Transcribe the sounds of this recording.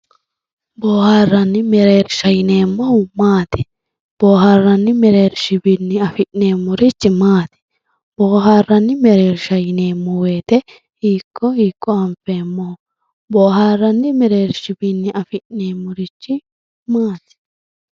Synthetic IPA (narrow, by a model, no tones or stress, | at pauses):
boːhaːrːɐnːɪmɛɾe̞ːɾʃɐjɪne̞ːmːɔhʊmaːt̪ɪ̥ | b̥oːɦaːrːɐnːɪmɛɾeːɾʃɪbɪnːɪɐfɪʔneːmːʊɾɪt͡ʃːɪmaːt̪ɪ̥ | b̥oːɦaːrːɐnːɪmɛɾe̞ːɾʃɐjɪneːmːɔweːt̪ɛ | hiːkʰːɔhiːkːɔɐɱfe̞ːmːɔhʊ | boːɦaːrːɐnːɪmɛɾe̞ːɾʃɪbɪnːɪɐfɪʔneːmːʊɾɪt͡ʃːɪ | maːt̪ɪ̥